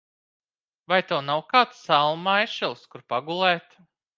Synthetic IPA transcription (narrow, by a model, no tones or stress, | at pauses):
vajt̪ɛwnawkaːt̪salˠmajʃɛlˠskuɾpaɡulˠɛːt̪